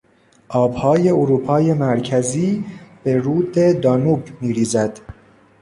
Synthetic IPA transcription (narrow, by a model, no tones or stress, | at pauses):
ʔɒːbhɒːje̞oɾuːpʰɒːje̞mæɾcʰæziːb̥e̞ɾuːd̪ed̪ɒːnuːbmiːɾiːzæd̪̥